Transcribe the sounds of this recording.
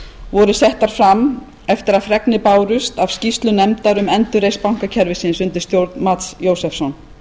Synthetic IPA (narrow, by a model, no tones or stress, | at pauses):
vɔɾʏsɛht̪aɾ̥fɾam | ɛft̪ɪɾaðfɾɛknɪpaːwɾʏst̪avscist̪lʏnɛmt̪aɾʏmɛnt̪ʏrejspawŋ̥kacʰɛɾvɪsɪnsʏnt̪ɪɾ̥st̪jowɾt̪nmaːt̪sjowsɛfsɔn